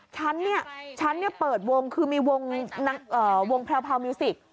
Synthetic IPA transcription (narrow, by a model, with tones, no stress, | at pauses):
t͡ɕʰa˦˥nːi˥˩ɐt͡ɕʰa˦˥nːi˥˩ɐpɤː˨˩t̪̚wo˧ŋkʰɯː˧miː˧wo˧ŋna˦˥ʔɤː˨˩wo˧ŋpʰɾɛː˧wpʰaː˧wmi˧si˨˩k̚